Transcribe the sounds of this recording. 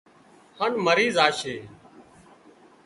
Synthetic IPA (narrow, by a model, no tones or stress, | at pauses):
hənməɾiːzaːʃeː